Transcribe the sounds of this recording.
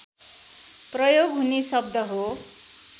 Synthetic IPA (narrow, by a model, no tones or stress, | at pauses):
prʌjoɡɦunesʌb̚d̪ʱʌɦo